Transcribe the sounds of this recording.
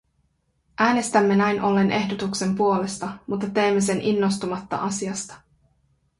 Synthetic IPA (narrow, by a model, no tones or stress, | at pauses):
ʔæːne̞st̪æmːe̞næjnʔo̞lːe̞nʔe̞hdot̪ukse̞mpuo̞le̞st̪ɑmut̪ːɑt̪e̞ːmːes̬e̞nʔinːo̞st̪umɑt̪ːɑ̰ʔɑsiɑst̪ɑ̥